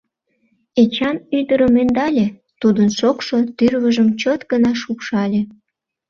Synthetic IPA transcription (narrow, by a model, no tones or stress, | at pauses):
et͡ɕɑnyd̪əɾəmend̪ɑlʲe | t̪ud̪ənʃokʃot̪yrβəʒəmt͡ɕot̪ɡənɑʃupʃɑlʲe